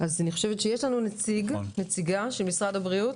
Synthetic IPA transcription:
ʔazaniχo̞̥ʃevetʃejeʃlanunet͡siɡnet͡siɡaʃelmisʁadhabʁiut

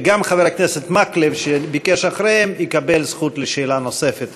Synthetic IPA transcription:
ɡamχaveɾakneset̪maklevʃebikeʃaχɾehemikabelsχut̪leʃeːlano̞se̞fet̪

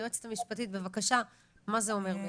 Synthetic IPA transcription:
oet͡se̥t̪amiʃpatit̪̚be̞vakaʃa | mazeo̞me̞ʁbe

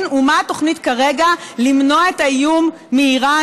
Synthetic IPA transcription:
numaato̞χnitkaʁe̞ɡalimno̞aetajumː | eiʁa

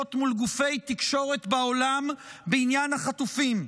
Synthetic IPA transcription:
ot̪mulɡufe̞jt̪ikʃo̞ʁe̞t̪bao̞lambeinjanhaχat̪ufim

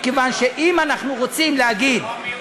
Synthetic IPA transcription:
kevanʃe̞ʔimanaχnuʁo̞t͡simlehaɡid̪

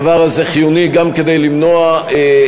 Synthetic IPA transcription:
vaʁaze̞χijuniɡamked̪e̞jlimno̞ae

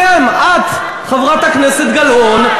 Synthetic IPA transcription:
amʔad̪ | χavʁat̪akneset̪ɡalʔon

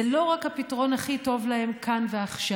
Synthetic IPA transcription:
elo̞ʁakhapitaʁo̞naχito̞vlahe̞mkʰanve̞aχʃa

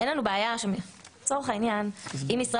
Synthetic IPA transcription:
enlanubeajaʃemt͡so̞ʁeχainjanimisʁa

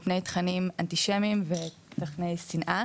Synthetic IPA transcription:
pne̞jt̪χanimant̪iʃemimve | t̪aχne̞jsinʔa

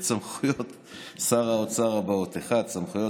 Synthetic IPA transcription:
t͡samχujot̪ | saʁaot͡saʁabaot̪eχat͡samχujo

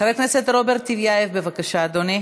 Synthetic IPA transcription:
avekneset̪ɾobeɾt̪ːivjaevbevakaʃaːd̪one

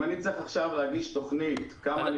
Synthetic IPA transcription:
anit͡sʁiχaχʃavlehaɡiʃto̞χnitkamaːni

